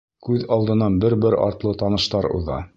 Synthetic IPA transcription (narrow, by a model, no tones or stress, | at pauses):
kʉðɑlˠd̪ɤ̆nɑnbɘɾbɘɾɑ̰ɾt̪lˠɤt̪ɑnɤ̆ʃt̪ɑɾṵðɑ̰